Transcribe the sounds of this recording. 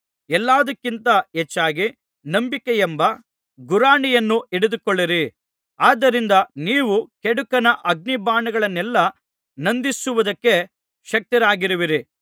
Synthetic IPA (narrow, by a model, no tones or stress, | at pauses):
ɛlːaːd̪ɐkːint̪ɐet͡ʃːaːɡi | nɐmbikejɛmbɐ | ɡuɾaːɳijɐnːuʔɛɽed̪ukoɭːiɾi | aːd̪ːɐɾind̪ɐniːʋukɛɽukɐnɐʔɐɡ̚nibaːɳɐɡɐɭɐnːɛlːɐ | nɐnd̪isuʋud̪ɐkːe̞ | ʃɐk̚t̪iɾaːɡiɾuʋiɾi